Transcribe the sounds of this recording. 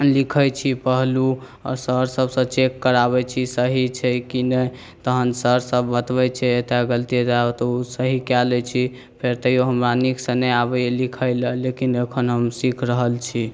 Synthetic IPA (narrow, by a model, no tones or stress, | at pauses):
likʰət͡ʃʰipəɦlu | ɔ̰ɾsəɾsəbsə̃t͡ʃekːəɾaβɛt͡ʃʰisəɦit͡ʃʰɛkinɛ | t̪əɦənsəɾsəbːət̪bɛt͡ʃʰɛet̪eɡəlt̪it̪aot̪usəɦikɛlɛt͡ʃʰi | pʰeɾt̪əjoɦəmɾaniksə̃nəabɛelikʰəjləlekinekʰənɦəmsikʰɾəɦəlt͡ʃʰi